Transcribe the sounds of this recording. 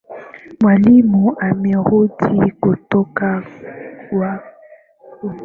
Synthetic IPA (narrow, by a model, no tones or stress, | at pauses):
malimuamɛhodikotoka | wa